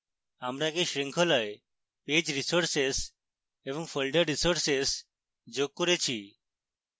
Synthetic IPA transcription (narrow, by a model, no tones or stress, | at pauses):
amɾaɡeʃɾiŋkʰɔlae | ped͡ʑɾisoɾses | eβɔŋfʰəlɖəɾɾisoɾses | d͡ʒoɡ̚koɾet͡ʃʰi